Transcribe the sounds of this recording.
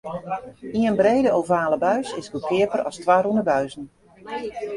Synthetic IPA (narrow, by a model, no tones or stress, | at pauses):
iənbreːdəowvaːləbœɥsɪsɡukʰɪəpərɔ̰stʋaɾundəbœɥzən̩